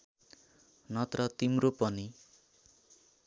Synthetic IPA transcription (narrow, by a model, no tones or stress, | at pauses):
nʌt̪rʌt̪imropʌni